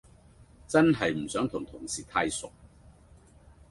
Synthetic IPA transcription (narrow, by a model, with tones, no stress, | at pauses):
t͡sɐ˥nɦɐ˨jm̩˨˩sœː˨˥ŋt̪ʰʊ˨˩ŋt̪ʰʊ˨˩ŋsiː˨˩t̪ʰaː˧jsʊ˨k̚